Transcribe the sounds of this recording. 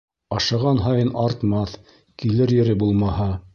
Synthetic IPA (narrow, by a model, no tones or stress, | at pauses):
ɑʃɑʁɑnɦɑjɤnɑɾt̪mɑθ | kilɘɾjɘ̆ɾɘbulˠmɑhɑ